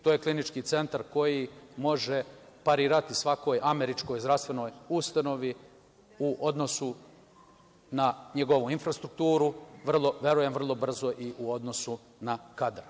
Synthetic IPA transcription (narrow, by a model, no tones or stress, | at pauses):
t̪oːjeklinit͡ʃkiːt̪se̞nt̪aɾko̞jimo̞ʒe | paɾiːɾat̪isʋako̞ːjʔame̞ɾit͡ʃko̞jzɾast̪ʋe̞no̞ːjust̪ano̞ʋi | uʔo̞d̪no̞su | naɲeɡo̞ʋuinfɾast̪ɾuk̚t̪uːɾuʋr̩lˠo̞ʋje̞ɾujemvr̩lˠo̞br̩zo̞ʔiʔuo̞d̪no̞su | nakad̪ɾ